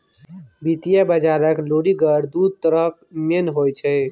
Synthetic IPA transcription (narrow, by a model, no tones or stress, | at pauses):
bit̪ijabəd͡ʒaɾəkloɽiɡəɾd̪ud̪̚t̪əɾəp̚ʰmenɦojt͡ʃʰɛ